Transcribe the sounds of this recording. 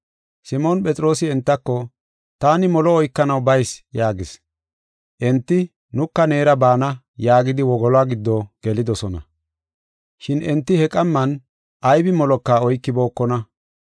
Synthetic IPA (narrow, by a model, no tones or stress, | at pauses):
sɪmoːnpʼɛt͡sʼɪɾo̞ːsɪɛnt̪ːɐkːɔ | t̪aːnɪmɔlɔɔjkːɐnɐwbɐjsjaːɡɪs | ʔɛnt̪ːɪ | nʊkːɐne̞ːɾɐbaːnɐ | jaːɡɪd̪ɪwɔɡɔlaːɡɪd̪ːɔɡ̥ɛlɪd̪ɔsɔnɐ̰ | ʃɪnɛnt̪ːɪhɛkʼɐmːɐn | ʔɐjbɪmɔlɔkːaːɔjkːɪbo̞ːkːɔnɐ